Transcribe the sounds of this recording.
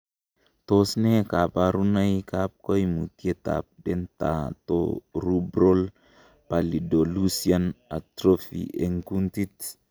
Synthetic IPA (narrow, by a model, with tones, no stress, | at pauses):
t̪osne˦ka˨pa˨ɾu˦na˦jka˦p̚ko˦jmu˨t̪ie˦t̪a̰p̚dɛ˦nt̪a̰˨t̪o̰ɾubɾo˦l | pa˨li˨do˨lu˦siana˨t̪ɾo˦fḭʔe˨ŋku˦nt̪i˦t